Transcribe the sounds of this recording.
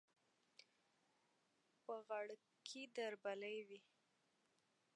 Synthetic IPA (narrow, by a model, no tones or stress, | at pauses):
pəɣaɽ | kʰid̪aɾbaləjwi